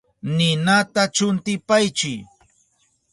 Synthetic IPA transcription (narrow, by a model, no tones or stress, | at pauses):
nɪnat̪at͡ʃʊnt̪ɪpajt͡ʃɪj